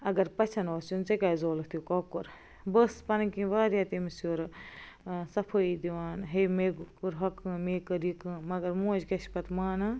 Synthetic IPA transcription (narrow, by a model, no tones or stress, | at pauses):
ɐɡɐɾpɐt͡ʃʰɐnoːsunt͡sekʲaːzoːlɐt̪ʰjukɐːkuɾ | bɐspɐnkĩʋaːɾjaːt̪imisoːɾ | sɐpʰoid̪iʋaːnɦeːmeːɡkuɾɦɐkɨ̃meːkɨɾikɨmɐɡɐɾmõːd͡ʒkɐʃpɐt̪maːnɐ